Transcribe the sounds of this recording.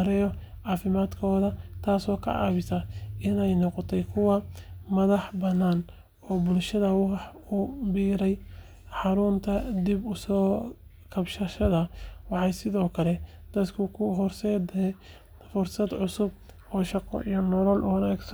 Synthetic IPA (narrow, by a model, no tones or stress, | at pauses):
ɾɛjɔ | ʕɑːfɪmaːd̪kʰɔːðɐt̪ʰaːsɔːkʰɐ̰ʕɑ̰ːβɪsɐɪnɛjnɔqɔt̪ʰɛjkʰʊwɑmɐðɑħbɐnːaːn | ɔːbʊlʃɐðɐwɑɑħ | ʊbiːɾɛj | ħɑɾʊnt̪ʰɐd̪ibʊsɔː | kʰɐbʃɐʃɐðɐwɑħɑjsɪðɔːkʰɐlɛ | d̪̥ɐd̪kʰʊkʰʊɦɔrsɛd̪ɛ | fʊrsɐd̪ʕʊsʊb̚ | ɔːʃɑqɔ̰ʔijɔnɔlɔlʔʊwɐnaːɡsɐ